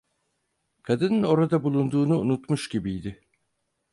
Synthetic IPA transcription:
kʰad̪ɯnɯno̞ɾad̪abulˠund̪uːnuunut̪muʃɟibijd̪ɪ

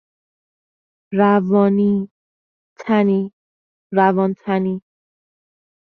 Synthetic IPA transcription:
ɾævɒːni | t̪ʰæni | ɾævɒːnt̪ʰæni

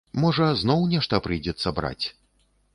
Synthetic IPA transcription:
mɔʐɐznɔwnʲɛʂt̪ɐpɾɨjd͡zʲɛt̪sːɐbɾa̰t͡sʲ

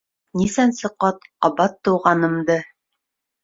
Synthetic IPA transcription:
nisænsɤ̆qɑt̪ɒbɑt̪ːɤ̆wʁɑnɤ̆md̪ɤ

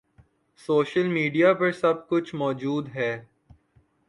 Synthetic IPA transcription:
soːʃəlmiːɖijapɐɾsɐb̚kʊt͡ʃʰmɔːd͡ʒuːd̪ɦɛː

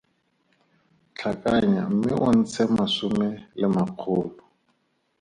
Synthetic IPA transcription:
t͡ɬʰakʼaɲa̰m̩mɪʔʊn̩t͡sʰɛmasʊmɛlɪmaq͡χʰʊːlʊ

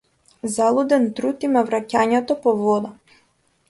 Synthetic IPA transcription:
zalˠɔd̪ɛnt̪ɾut̪imavɾacaɲɛt̪ɔpɔvɔd̪a

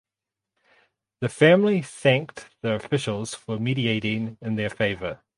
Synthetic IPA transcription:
ðəfæ̃mliθæ̃ŋk̚ðəɹəfɪʃəl̩ˠz̥fəmiːɾieɪɾɪ̃ŋɪ̃nðə˞feɪvə

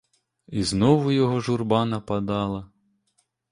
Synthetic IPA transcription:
iznɔʋʊjɔɦɔʒurbɑnɐpɐd̪ɑlˠɐ

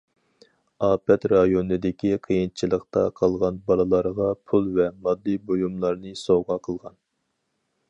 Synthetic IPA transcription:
ɑːpʰɛt̪ɾɑjonɨd̪ɪkʲiqʰəjint͡ʃʰilˠəqt̪ɑqʰɑlˠʁɑnbɑlˠɨlˠɑɾʁɑpʰulˠvɛmɑd̪ːɨbojumlˠɑɾnɨsoʁɑqʰəlˠʁɑn

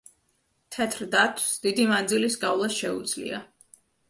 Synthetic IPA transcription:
t̪ʰɛt̪ʰɾd̪at̪ʰwsd̪id̪imand̪zilisɡavlˠasʃɛṵd̪z̥lḭa̰

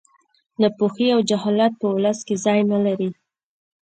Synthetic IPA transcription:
d̪əpoxiawd͡ʒaɦɑlat̪̚pəwləskezɑjnalaɾi

